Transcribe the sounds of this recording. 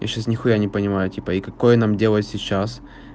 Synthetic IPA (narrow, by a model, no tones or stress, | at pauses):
ja̰ɕasnʲɪxʊjanʲɪpənʲɪmajʊtʲipəikɐkojənamdʲe̞lˠəɪt̪ʲsʲɪt͡ɕːas